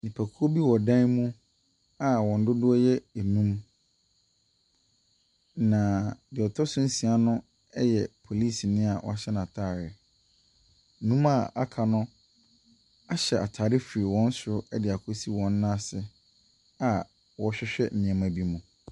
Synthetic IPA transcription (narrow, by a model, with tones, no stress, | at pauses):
nĩ˨pʰæ˨kʰu˦o˦bi˦wɔ˨dã˦nmũ˦ | a˨wɔ̃˨n̩˦dʊ˦dʊ˦ɔ˦jɛ˦e˨nũ˦m | nã˨bɪ˨ɔ˨tʰɔ˦sʊ̃˦n̩˦sĩ˨a˨nʊ̃˦ | ɛ˦jɛ˨pʰo˨li˦˨snɪ̃˦a˨wɔ̰˨˦a˨ɕɛ˦ñ˨a˨tʰaː˦˨ɾɪ˨ | nũ˦ma˦˨a˦kʰa˨nʊ̃˦ | a˨ɕɛ˨a̰˨tʰaː˨ɾɪ˦fi˨ɾi˨wɔ̃˦n̩˦sʊ˨ʊ˦ɛ˦dɪ˨a˨kʰo˦si˦wɔ̃˨nː˦ã˦sɪ˦ | a˨ | wɔ˦ɕᶣɛ˦ɕᶣɛ̰˦m̩˨mɪ̃˨ɛ̃˨mã˨bi˦mũ˨